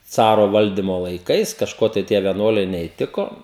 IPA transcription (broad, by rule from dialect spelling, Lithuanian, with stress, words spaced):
ˈt͡sɑːroː ˈʋɐlʲdʲɪmoː lˠɐɪˈkɐɪs kɐʃˈkoː tɐɪ ˈtʲiɛ ʋʲiɛˈnuɔlʲɛɪ nʲɛiːˈtʲɪkoː